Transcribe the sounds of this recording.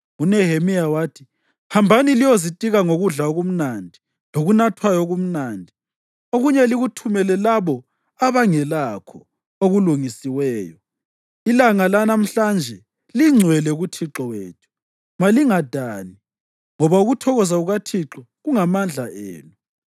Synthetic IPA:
unɛɦemijawaːtʰi | pʰambʱanilijozitʼiɣaŋoɣuɮaoɣum̩nandʱi | loɣunatʰwajɔɣum̩naːndʱi | oɣuɲɛliɣutʰumɛlɛlaβɔ | aβaŋɛlakʰɔ | oɣuluŋisiwɛːjɔ | ilaŋalanam̩ɬand͡ʒʱɛ | liŋ͡ǀʱwɛlɛɣutʰiǁɔwḛːtʰu̥ | maliŋad̥ʱaːni | ŋɔβauɣutʰɔɣɔzaɣuɣatʰiǁɔ | ɣuŋamand͡ɮʱaʔḛːnu

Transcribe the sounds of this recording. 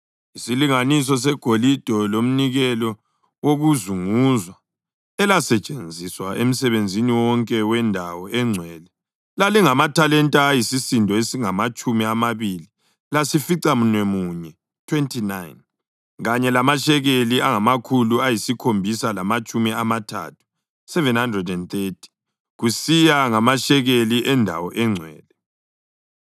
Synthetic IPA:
isiliŋanis̬ɔs̬ɛɡ̥ʱolid̥ʱɔlom̩niɣɛlɔ | woɣuzuŋuzwa | ɛlasɛt͡ʃʼend͡zʱiswaʔem̩sɛβend͡zʱiniwɔŋkʼɛwɛndʱawɔʔɛŋ͡ǀʱwɛlɛ | laliŋamatʰalɛntʼaːjisisindʱɔesiŋamat͡ʃʼumiamaβili | lasifiǀamunwemuːɲɛ | tʰwentʰinajn | ɣaɲɛlamaʃɛɣeliaŋamakʰuluajisikʰombʱisalamat͡ʃʼumiamatʰa̰tʰu̥ | sɛvɛnhandrɛdɛnθetʰi̥ | ɣusijaŋamaʃɛɣeliʔɛndʱa̰wɔʔɛŋ͡ǀʱwɛ̰ːlɛ

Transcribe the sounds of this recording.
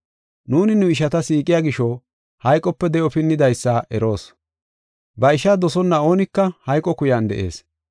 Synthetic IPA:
nuːnɪnʊɪʃ̬ɐt̪ɐsiːkʼːɪjaːɡɪʃɔ | hɐjkʼːɔpːɛd̪ɛʔɔpɪnːɪd̪ɐjsːɐʔɛɾo̞ːs | bɐɪʃɐd̪ɔsɔnːɐo̞ːnɪkːɐhɐjkʼːɔkʊjand̪ɛ̰ʔe̞̰ːs

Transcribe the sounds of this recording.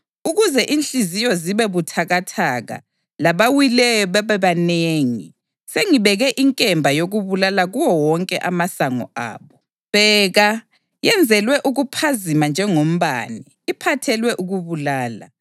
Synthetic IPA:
uɣuzɛʔinɬʼizijɔziβɛβutʰaɣatʰaɣa̰ | laβawilɛjɔβaβɛβaneːŋi | seŋiβɛɣɛʔiŋkʼɛmbʱajoɣuβulalaɣuwɔwɔŋkʼɛʔamasaŋɔ̰a̰ːβɔ | βɛːɣa | jɛnd͡zʱɛlwɛʔuɣupʰazimand͡ʒʱɛŋom̩βa̰ni | ipʰatʰɛlwɛʔuɣuβulaːla̰

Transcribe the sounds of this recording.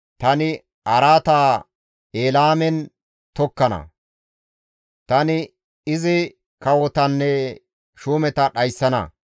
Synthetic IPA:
t̪ɐnɪ | ʔɐɾaːt̪aː | eːlaːmɛn | t̪ɔkːɐnɐ̰ | t̪ɐnɪ | ɪzɪ | kɐwɔt̪ɐnːɛ | ʃuːmɛt̪ɐɗɐjsːɐnɐ̰

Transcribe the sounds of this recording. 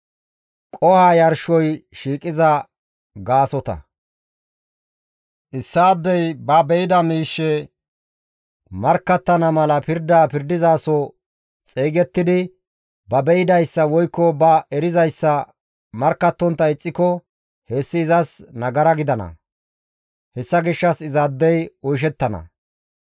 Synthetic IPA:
kʼɔhaːjɐɾʃɔjʃiːkʼɪzɐ | ɡaːsɔt̪ɐ̰ | ʔɪsːaːd̪ːɛjbɐbɛɪd̪ɐmiːʃːɛ | mɐɾkːɐt̪ːɐnɐmɐlɐpɪɾd̪aːpɪɾd̪ɪzaːsɔ | t͡sʼeːɡɛt̪ːɪd̪ɪ | bɐbɛɪd̪ɐjsːɐwɔjkːɔbɐɛɾɪzɐjsːɐ | mɐɾkːɐt̪ːɔnt̪ːɐɪt͡sʼːɪkɔ | he̞ːsːɪːzɐsnɐɡɐɾɐɡɪd̪ɐnɐ̰ | hɛsːɐɡɪʃːɐsɪzaːd̪ːɛjɔjʃ̬ɛt̪ːɐnɐ̰

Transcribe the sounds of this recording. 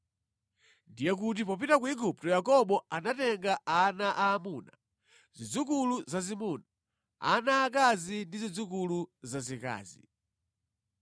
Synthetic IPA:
ndijɛk̬ut̬ipɔpitak̬uiɡup̚tɔjakɔɓɔanatɛŋɡaanaʔaːmuːna | zid͡zukuluzazimuːna | a̰naːkazindizid͡zuk̬uluzazika̰ːzi

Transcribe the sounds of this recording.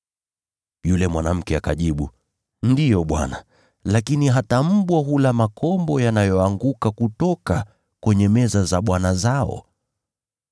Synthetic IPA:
julɛmwanam̩kɛakaʄiɓu | ndijɔɓwa̰na | lakiniɦatam̩ɓwaɦulamakʰɔmbɔjanajɔaŋɡukakutɔka | kwɛɲɛmɛzazaɓwanazaɔ̰

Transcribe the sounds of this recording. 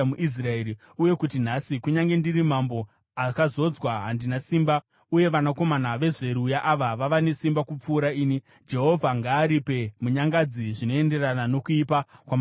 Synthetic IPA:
muʔis̬raeɾi | uje̞kutinasikuɲaŋɡe̞ndirimambo̞ | akazo̞d͡zwaɦandinasimba | uje̞ʋanako̞manaʋe̞ʐe̞ɾujaʔaʋaʋaʋane̞simbakup͡fuːɾaiːni | d͡ʒe̞ɦo̞vʱaŋɡaːɾipe̞muɲaŋɡad͡ziʐino̞e̞nde̞rananokuipakwama

